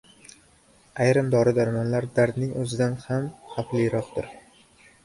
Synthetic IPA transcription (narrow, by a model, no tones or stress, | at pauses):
ajɾɪmd̪ɒɾɪd̪aɾmɒnlaɾd̪aɾd̪nɪŋʔɵzɪd̪anhamhaflijɾɒqd̪ʊɾ